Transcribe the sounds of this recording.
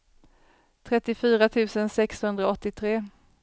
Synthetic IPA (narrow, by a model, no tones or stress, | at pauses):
t̪ʰɾɛt̪ːɪfyːɾat̪ʰʉ̟ːsənsɛkshɵnd̪ɾaɔt̪ːɪt̪ʰɾeː